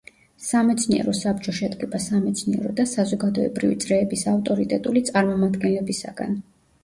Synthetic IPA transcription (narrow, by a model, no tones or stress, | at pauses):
samɛt̪sʰniɛ̰ɾɔsapt͡ʃʼɔʃɛd̪ɡʼɛbasamɛt̪sʰniɛ̰ɾɔd̪asazɔɡad̪ɔɛ̰bɾivit̪sʼɾɛːbisaft̪ʼɔɾit̪ʼɛt̪ʼulit̪sʼaɾmɔmad̪ɡɛnlɛbisaɡ̥a̰n